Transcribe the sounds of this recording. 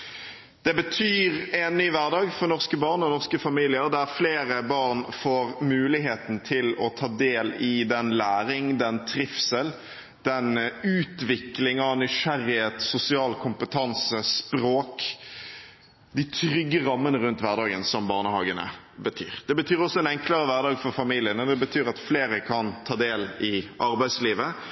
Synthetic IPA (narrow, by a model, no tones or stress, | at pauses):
d̪̥ɛbət̪ʰyːʁɛnːyːʋæʁd̪ɑːɡfɔʁnɔʁskəbɑːʁnɔnɔʁskəfɑmiːlɪəʁd̪æʁfleːɾəbɑːʁnfoːʁmʉːlɪɦeːt̪n̩t̪ʰɪlɔt̪ʰɑːd̪eːlɪd̪ɛnlæːɾɪŋd̪ɛnt̪ʰɾɪfsəl | d̪̥ɛnʉːt̪ʋɪklɪŋɑnɪʂæɾɪheːt̪sʊsɪɑːlkʰʊmpət̪ʰɑnsəspɾoːk | d̪ɪt̪ʰɾʏɡːəɾɑmːənəɾʉnt̪ʋæʁd̪ɑːɡənsɔmbɑːʁnəhɑːɡənə̰ | bət̪ʰy̰ːɾd̪̥ɛbət̪ʰyːɾɔsːɔɛnɛŋkləɾəʋæʁd̪ɑːɡfɔʁfɑmiːlɪənəd̪ɛbət̪ʰyːɾɑt̪fleːɾəkʰɑnt̪ʰɑːd̪eːlɪʔɑɾbæɪsliːʋə